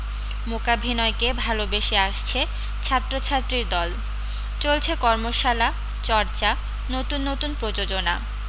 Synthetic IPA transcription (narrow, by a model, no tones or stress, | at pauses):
mokabʱinɔekebʱalobeʃeaʃt͡ɕʰe | t͡ɕʰat̪ːɾot͡ɕʰat̪ːɾiɾd̪ɔl | t͡ɕolt͡ɕʰekɔɾmoʃala | t͡ɕɔɾt͡ɕa | not̪unːot̪unpɾod͡ʑod͡ʑona̰